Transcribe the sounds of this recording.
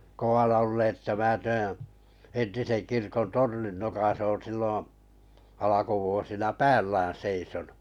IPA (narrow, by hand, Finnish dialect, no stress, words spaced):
kow̆ɑnɑ olːeːt etːæ mæː tæːæ̃ entisen kirkon tornin nokɑs oːn̞ silːõː ɑlɑkuʋuosinɑ pæːlːæːn seisonu